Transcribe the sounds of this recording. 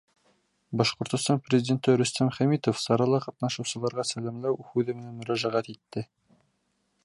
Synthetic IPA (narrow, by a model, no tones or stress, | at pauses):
bɒʃqŏɾt̪ŏst̪ɑnprʲɪzʲdʲent̪ɘɾɵ̆st̪æmχæmit̪ofsɑɾɑlˠɑqɑt̪nɑʃɤ̆wsɤ̆lˠɑɾʁɑsælæmlæwhʉðɘ̆mɘ̆nænmɵ̆ɾæʒæʁæt̪it̪ːɘ